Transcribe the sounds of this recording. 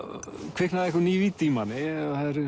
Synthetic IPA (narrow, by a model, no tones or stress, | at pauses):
kʰv̥ɪhknaðɛhkʏniːvit̪ʰiːmanɪɔhaðɛɾ